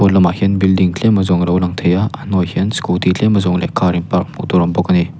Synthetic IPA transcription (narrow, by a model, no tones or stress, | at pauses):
ɔlɐmahenbildiŋt͡ɬʰemɐzɔŋɾɐwlaŋtʰɐjaːnojhenskultʰit͡ɬʰemɐzɔŋlekʰaɾinpaɾk̚mudɔɾɔmbɔkɐni